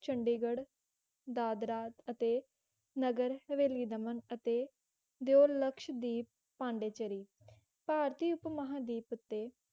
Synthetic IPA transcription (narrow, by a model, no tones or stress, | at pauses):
t͡ʃʰəɳɖiːɡəɽ | d̪aːd̪ɾaːt̪ət̪eː | nəɡəɾʋeːliːd̪əmənət̪eː | d̪eoːləkʃd̪iːp̚ | pãːɳɖeːt͡ʃəɾiː | paːɾt̪iːʊpməɦãːd̪iːpʊt̪ːeː